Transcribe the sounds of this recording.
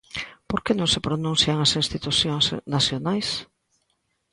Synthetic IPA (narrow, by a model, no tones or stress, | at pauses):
poɾkenõŋsepɾonũn̟θjaŋasĩnst̪it̪uθjosnaθjonajs